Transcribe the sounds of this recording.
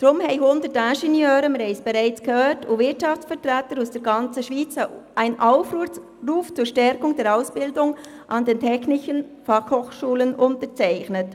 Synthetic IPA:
d̥ɾʊmhɛɪhʊndətæʃɛnjøːɾəməɾhɛɪsb̥ɛɾaɪt͡skhøːtovɪtʃɑft͡sfɛtɾæːtəɾusd̥ɛɾɡɑnt͡səʃʋiːt͡sæɪnʔaʊfɾuːt͡s | ruːft͡sʊːɾʃtɛɾkʊŋdɛːɾaʊsb̥ɪldʊŋ | ʔɑndɛntʰɛxnɪʃən | fɑχhoːχʃuːlənʊntəɾt͡saɪxnət

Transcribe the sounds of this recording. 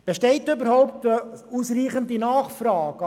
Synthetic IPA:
b̥eʃtɛɪtɵbəɾhɔʊptuːsriːχəndinɑːχfrɑːɡ̥ə

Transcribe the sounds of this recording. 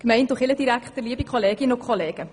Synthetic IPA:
kmɛɪnt̚d̥ʊχɪləd̥iɾækχtəɾliəbikʰɔleːɡɪnəʊkʰχɔleːɡ̥ə

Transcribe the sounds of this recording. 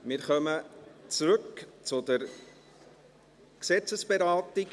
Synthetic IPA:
mɪːɾχœmət͡sɾɵkt͡sʊdəɾ | ksɛt͡səsb̥eɾaːtik

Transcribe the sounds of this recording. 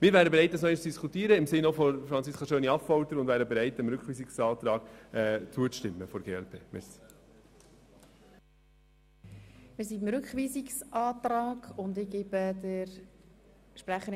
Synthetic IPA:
mɪːɾvæːɾəbeɾæɪt̚dɑsnœʏst͡sd̥iskʰut̪iːɾəɪmsɪnːofɔfɾɑnt͡sɪskʰɑʃøːniɑfɔltəɾʊnd̪væːɾəbɛɾæɪtɪmɾʏkχʋiːsiksɑːt̪ɾɑːɡ̥ɛt͡suət͡sʃtɪmːəfɔɾɡeːɛlpʰeːmɛ̰s | mɪːɾsiɪmɾʏkχʋiːsiksɑːtɾɑːɡ̥ʊndɪɡɪb̥ədəɾ | ʃpɾæχəɾ

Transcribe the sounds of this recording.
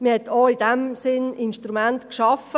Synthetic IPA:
məhɛtʰoid̥ɛmsɪninʃtɾumæntkʃɑfːə

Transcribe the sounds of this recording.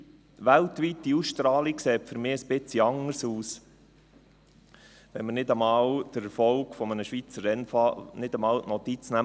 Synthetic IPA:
ʋæltʋitd̥iuːsʃtɾɑːlikseːtfɵɾmɪːəsb̥ɪt͡siɑŋəɾsuːs | ʋɛnmənɪdəmɑːld̥əɾɛɾfɔlɡfɔmənəʃʋit͡səɾɛnfɑnɪdəmɑːlnɔt̪it͡snæ

